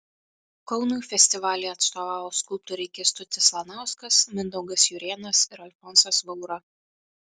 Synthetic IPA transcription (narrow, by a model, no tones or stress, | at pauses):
kɔʊnuːjfʲɛsʲt̪ʲɪʋɑːlʲɛːɐt̪st̪oːʋɑːʋoːskʊlˠp̚t̪uɾʲɛkʲɪst̪ʊt̪ʲɪslˠɐnɑˑʊskɐsmʲɪnd̪ɔʊɡɐsjʊɾʲeːnɐsɪɾɐlʲfɔnsɐsʋɔʊɾɐ